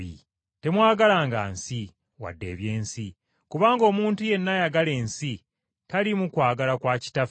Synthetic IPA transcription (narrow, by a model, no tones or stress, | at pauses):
ḭ | te̞mwaːɡalaːŋɡa̰ːnsi | wa̰dːe̞̰ːβje̞ːnsi | kuβaːŋɡo̞ːmuːntuje̞nːajaɡale̞ːnsi | talimukwaːɡalakwaːci̥taf